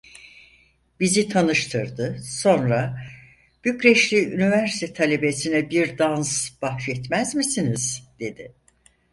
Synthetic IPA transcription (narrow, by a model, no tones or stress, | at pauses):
bizit̪ʰanɯʃt̪ʰɯɾd̪ɯso̞nɾa | b̥ycɾɛʃlʲiynivæɾsi̥t̪ʰɛt̪ʰalʲe̞be̞sinɛbiɾd̪ansb̥axʃɛt̪mæzmisiniz̥d̪̥e̞d̪ɪ